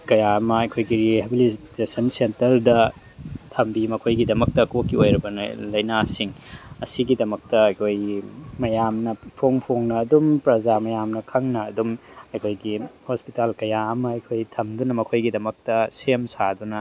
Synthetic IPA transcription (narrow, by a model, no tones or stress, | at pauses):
kɐjaɐmɐɐjkʰojɡiɾihabilitesɐnsentɐɾdɐ | tʰɐmbimɐkʰojɡidɐmɐk̚tɐkokːiojɾɐbɐnɐ̰lɐjnasiŋɐsiɡidɐmɐk̚tɐɐjkʰojmɐjamnɐpʰoŋpʰoŋnɐːdumpɾɐzamɐjamnɐkʰɐŋnɐːdumɐjkʰojɡihospitalkɐjaɐmɐɐjkʰojtʰɐmdunɐmɐkʰojɡidɐmɐk̚tɐsemsadunɐ